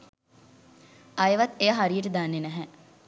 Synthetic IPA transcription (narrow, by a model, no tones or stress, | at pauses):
ajəʋat̪ːejəɦaɾijəʈəd̪anːenɛɦɛ